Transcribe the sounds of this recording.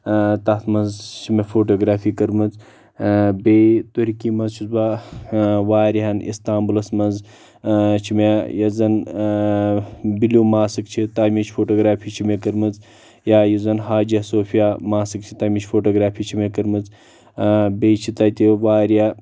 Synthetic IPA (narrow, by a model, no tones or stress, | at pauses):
t̪ɐt̪ʰmɐnzt͡ʃʰimefoːʈoːɡɾaːfʰiːkɐɾmɨt͡s | bet̪oɾikiːmɐnzt͡ʃʰizba | ʋaːɾiɦɐnḭst̪aːmbulɐsmɐnz | t͡ʃʰimejɐzɐn | biloːmaːsɨkt͡ʃʰit̪aːmit͡ʃʰfʰoːʈoːɡɾaːfʰiːt͡ʃʰimekɐɾmɨz | jaːjuzɐnɦaːd͡ʒiɐsoːfʰijamaːsɨkt͡ʃʰi̥t̪aːmʲit͡ʃʰfoːʈoːɡɾaːpʰiːt͡ʃʰimekɐɾmɨt͡s | bejt͡ʃʰit̪ɐt̪iʋaːɾija